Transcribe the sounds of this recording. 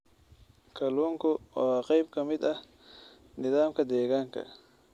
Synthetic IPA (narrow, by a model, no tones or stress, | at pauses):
kʰɐluŋkʊa̰qɐjb̚kɐmɪd̪ɐ | nɪðaːmkɐd̪eːɡaŋkɐ̰